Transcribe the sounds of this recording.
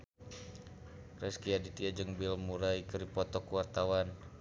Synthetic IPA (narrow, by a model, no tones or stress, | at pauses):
rɛskiadit̪iad͡ʒəŋbɪlmuɾaikəɾipɔt̪ɔkuwart̪awan